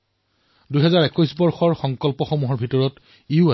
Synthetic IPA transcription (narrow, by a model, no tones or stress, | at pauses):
dujɦɛzaɹɛkɔjsbɔɹxɔɹxɔŋkɔlpɔxɔmuɦɔɹbʱitɔɹɔt | iʊa